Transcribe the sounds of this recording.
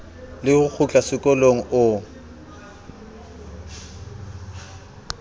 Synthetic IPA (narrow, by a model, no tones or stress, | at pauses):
lɪhʊk͡xʰʊt͡ɬʼasɪkʼɔloŋ̩ʔʊ